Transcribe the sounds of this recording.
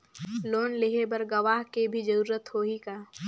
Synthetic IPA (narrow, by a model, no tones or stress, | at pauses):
loːnlɪɦebɐɾɡɐʋaːɦkebʱid͡ʒɐɾuːɾət̪hoːikaː